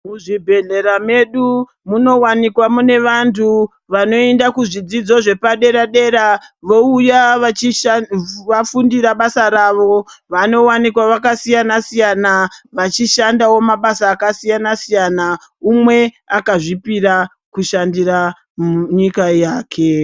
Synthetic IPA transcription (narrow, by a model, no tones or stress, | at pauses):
muʐibʱe̞ɮe̞ɾame̞ɗu | muno̞wanikwamune̞ʋantʰu | ʋano̞endakuʐid͡zid͡zo̞ʐe̞paɗe̞ɾaɗe̞ɾaʋo̞uja | afundiɾaɓasaɾaʋo̞ʋano̞wanikwaʋakasijanasijanaʋat͡ʃiʃandawo̞maɓasaːkasijanasijana | umwe̞ | akaʐipiɾa | kuʃandiɾa | ɲikajaːkʰe̞